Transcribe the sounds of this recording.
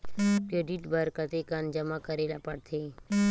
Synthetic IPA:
kɾeːɖiʈbʱəɾkət̪ekand͡ʒəmakəɾelapəɽt̪ʰe

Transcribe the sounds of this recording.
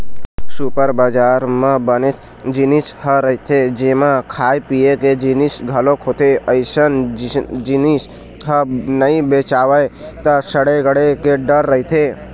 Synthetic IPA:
supəɾbad͡ʒaːɾmãbənet̪ʰ | d͡ʒinishəɾəɦit̪ʰed͡ʒemãkʰaːjpijeked͡ʒinisɡʱəlokʰot̪ʰeəɪsənd͡ʒinis | ɦənəĩbet͡ʃaːʋəjt̪əsəɽeɡəɽekeɖəɾːəɦit̪ʰe

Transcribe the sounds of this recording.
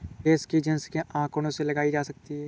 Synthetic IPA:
eːskid͡ʒə̃nskeʔãːkonõselɐɡaːid͡ʒaːsɐk̚t̪iɦɛː

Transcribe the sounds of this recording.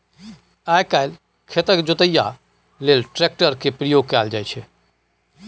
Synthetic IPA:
ajkaɪl | kʰet̪əkd͡ʒot̪əja | lelʈɾek̚ʈəɾkepɾəjoɡ̚kɛld͡ʒajt͡ʃʰɛ

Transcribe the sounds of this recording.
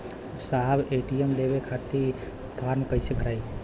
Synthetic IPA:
saɦbeʈiemlebekʰat̪i | p̪ʰaɾmkəjsebʱəɾai

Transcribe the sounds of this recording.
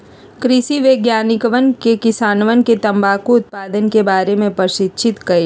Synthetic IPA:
kɾɪsiʋeːɡjaːnɪkəʋənkekɪsaːnʋənket̪ɐ̃mbaːkuʊt̪̚paːd̪ənkebaːɾemẽpəɾʃɪtːʃʰɪt̪kɐeː

